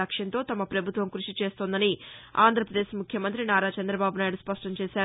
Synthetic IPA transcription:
ɐkʂjɐnt̪o̞ːt̪ɐmɐpɾɐbʱut̪ʋɐmkɾuʂit͡ʃe̞ːst̪ond̪ɐnia̰ːnd̪ʱɾɐpɾɐd̪eːʃmukʰjɐmɐnt̪ɾinaːɾaːt͡ʃɐnd̪ɾɐbaːbunaːjiɽuspɐʂʈɐɲt͡ʃeːʃaː

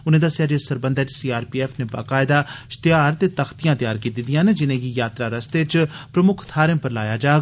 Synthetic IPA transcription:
ʊnẽːd̪əsjaːd͡ʒesəɾbənd̪ət͡ʃsiːaːɾpiːɛːfʰneba̰ːkaːɪd̪aːst̪ɪjaːɾt̪eːt̪əxʰt̪ijãːt̪jaːɾkiːt̪id̪ijãːned͡ʒɪnẽːɡijaːt̪ɾaːɾəst̪eːt͡ʃpɾəmʊkʰt̪ʰaːɾə̃mpəɾlaːjaːd͡ʒaː

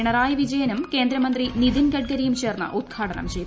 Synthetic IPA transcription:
ɳɐɾaːjɐʋid͡ʑɐjɐnumke̞ːnd̪ɾɐmɐnd̪rinid̪inɡɐʈ̚ɡɐɾijumt͡ɕe̞ːrnːɐ̰ʔud̪̚ɡʰʱaːʈɐnɐ̰mt͡ɕej

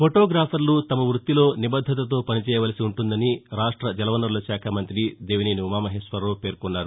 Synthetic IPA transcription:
pʰoʈoːɡɾaːpʰɐɾlut̪ɐmɐʋɾut̪ːilo̞ːnibɐd̪ʱːɐt̪̬ɐt̪o̞ːpɐnit͡ʃɛːjɐʋɐlɐsiuɳʈund̪ɐniɾaːʂʈɾɐd͡ʒɐlɐʋɐnːɐɾlɐʃaːkʰamɐnt̪ɾid̪eːʋiniːniumaːmɐɦeːʂʋɐɾːoːpe̞ːɾkɔnːaːɾu

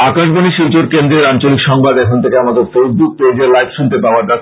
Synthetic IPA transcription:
akaʃboniʃild͡ʑoɾkend̪ɾeɾant͡ɕolikʃɔŋbad̪ɛkʰont̪ʰekeamad̪eɾt̪ojb̪ut̪ed͡ʑeɾlajfʃunt̪epaoaɾd̪atː

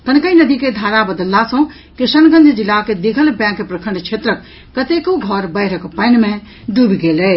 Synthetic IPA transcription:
k̪ənkəinəd̪iked̪ʱaɾabəd̪əlːasə̃ | kisənɡə̃nd͡ʒʱd͡ʒilaked̪ekʰəlbjãkːepɾəkʰəɳɖt͡ʃʰet̪ɾəkː | ət̪ekoɡʱɔɾbəɪɾəkpəɪnme | d̪ubʱɡelɛ

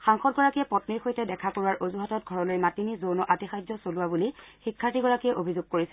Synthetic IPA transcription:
xaŋxɔt̚ɡɔɹakijɛpɔtniɹxojtɛdɛkʰakoɹuwaɹʔozuɦatɔt̚ɡʱɔɹɔlojmatinizownɔʔatixajzɔsoluwabulixikʰːatiɡɔɹakijɛʔobʱizʊɡ̚koɹisɛ

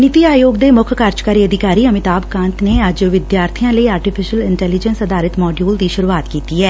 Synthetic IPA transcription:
nɪt̪iːaːjoːɡd̪eːmʊkʰkaɾt͡ʃkaːɾiːəd̪ɪkaːɾiːəmɪt̪aːbkãːnt̪neːəd͡ʒʋɪd̪jaːɾt̪ʰijãːləiaːɾʈɪpʰɪʃəlɪɳʈɛːlɪd͡ʒənsəd̪aːɾɪt̪mɔːɖijuːld̪iːʃʊɾuːaːt̪kiːt̪iːɛː

